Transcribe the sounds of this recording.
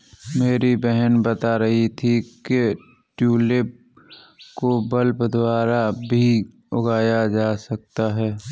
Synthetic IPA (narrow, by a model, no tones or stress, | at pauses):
meːɾibɛɦənbət̪aɾɐɦit̪ʰike | ʈjuːlep | kobəlpd̪ʱwaːɾabʱi | ʊɡaːjad͡ʒaːsɐk̚t̪aɦɛː